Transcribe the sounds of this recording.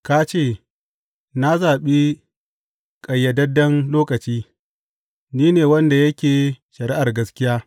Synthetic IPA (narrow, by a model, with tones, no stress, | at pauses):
ka˦t͡ʃeː˦˨ | na˦zaː˨ɓi˦ | kʼɐ˨jːɐ˨dɐ˦dːɐ˦nloː˦kɐ˨t͡ʃiː˦ | niː˦neː˨wɐ˦nda˨jɐ˦kʲeː˨ʃɐ˨ɾi˦ʔa˨rɡɐ˦skʲɪ˦jaː˦